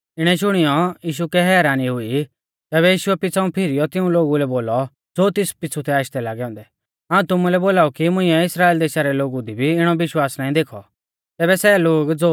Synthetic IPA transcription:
ɪɽ̃ɛʃ̬ʊɽ̃ijɔjiːʃ̬ukɛɦɛːɾaːniɦʊi | t̪ɛːβɛjiːʃʊɛpɪt͡sʰaũpʰɪɾɪjɔt̪ɪũloːɡulɛboːlɔ | d͡zoːt̪ɪspɪt͡sʰut̪ʰɛaːʃd̪ɛlaːɡɛɦɔ̃ːnd̪ɛ | ɦaːũt̪ʊmũlɛboːlaːukimʊ̃ĩɛɪsɾaːeːld̪eːʃaɾɛloːɡud̪ʱibʱiɪɽ̃ɔbɪʃwaːsnaːĩd̪eːkʰɔ | t̪ɛːbɛsɛloːɡd͡zoː

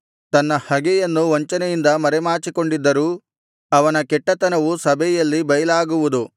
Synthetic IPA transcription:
t̪ɐnːɐhɐɡɛjɐnːuʋɐɲt͡ʃɐnejind̪ɐmɐɾɛmaːt͡ʃiko̞ɳɖid̪ːɐɾuː | ɐʋɐnɐkɛʈːɐt̪ɐnɐʋusɐbʱɛjɐlːibɐjɐlaːɡuʋud̪u

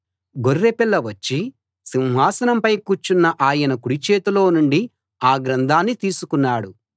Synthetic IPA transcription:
ɡorːepilːɐʋɐt͡ʃːi | siñɦaːsɐnɐmpɐjkuːt͡ʃːunːɐʔaːjɐnɐkuɽit͡ʃeːt̪ulo̞ːnuɳɖi | aːɡɾɐnd̪ʱaːnːit̪iːsukunːaːɽu

